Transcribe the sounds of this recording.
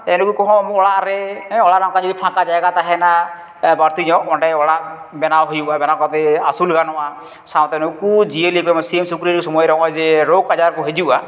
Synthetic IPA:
enukukɔɦɔ̃mɔɽaɾeɦɛ̃ɔɽaɾaw̃kad͡ʒɔd̪ipʰãkad͡ʒajɡat̪aɦɛna | baɾt̪ijɔ̃ʔɔɳɖajɔɽa | bɛnawɦɔjuabɛnawkat̪ɛasulɡanɔa | saw̃t̪enukud͡ʒielikɔmɔsiemsukɾiɾikusɔmɔjɾɔkɔd͡ʒeɾoɡad͡ʒaɾkɔɦed͡ʒuʔa

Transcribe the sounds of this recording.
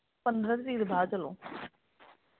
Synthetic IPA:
pənd̪ɾət̪ɾiːd̪bʱaːt͡ʃəlõː

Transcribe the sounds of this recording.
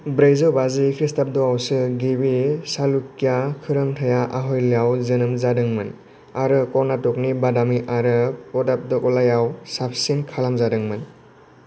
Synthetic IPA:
bɾejzɔbazikʰɾistap̚dɔawsɯɡibisalukjakʰɯɾɯmtʰajaʔaɦɔjlijawzɯnɯmzadɯŋmɯn | aɾɯkɔɾnatɔk̚nibadamiʔaɾɯpɔdap̚dɔkɔlajawsapʰsiŋkʰalamzadɯŋmɯn

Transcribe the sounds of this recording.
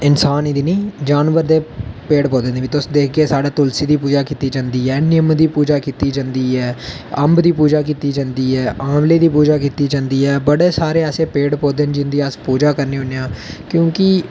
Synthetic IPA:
ɪnsaːniːd̪iːnĩːd͡ʒaːnʋəɾd̪eːpeːɖpoːd̪eːneːʋit̪ʊsd̪eːk̚ʰɡeːsaːɽaːt̪ʊlsiːd̪iːpuːd͡ʒaːkiːt̪iːd͡ʒãːnd̪iːɦɛːnɪəmd̪iːpuːd͡ʒaːkiːt̪iːd͡ʒãːnd̪iːɦɛː | əmbd̪iːpuːd͡ʒaːk̬iːt̪iːd͡ʒãːnd̪iːɦɛːaːmleːd̪iːpuːd͡ʒaːkiːt̪iːd͡ʒãːnd̪iːɛːbəɽeːsaːɾeːɛːseːpeːɽpoːd̪end͡ʒɪnd̪iːəspuːd͡ʒaːkəɾniːɦʊneãːkjõːkɪ

